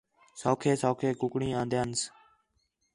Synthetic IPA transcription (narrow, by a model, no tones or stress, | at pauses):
soːkʰeːsoːkʰeːkʊkɽĩːãːnd̪jeːns